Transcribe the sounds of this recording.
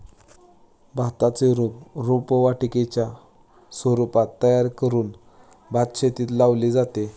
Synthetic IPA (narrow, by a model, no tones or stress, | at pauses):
bʱat̪at͡seɾupɾupʋaʈiket͡ɕja | sʋəɾupat̪ːəjaɾkəɾuːn | bʱat̪̚ɕet̪iːt̪laʋlid͡zat̪e